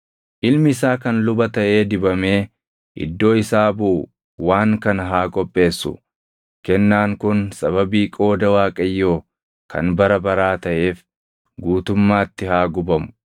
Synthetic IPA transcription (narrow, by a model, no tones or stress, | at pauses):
ʔɪlmɪɪsaːkɐnlʊbɐt̪ɐʔe̞ːd̪ɪbɐme̞ː | ʔɪ̰d̪ːo̞ːɪsaːbʊ | waːŋkɐnɦaːkʼɔpʼːe̞ːsːʊ̰ | kɛnːaːŋkʊnsɐβɐbiːkʼo̞ːd̪ɐwaːkʼɐjːo̞ː | kʰɐ̰nbɐɾɐbɐɾaːt̪ɐʔe̞ːf | ɡuːt̪ʊmːaːt̪ːɪhaːɡʊbɐmʊ̥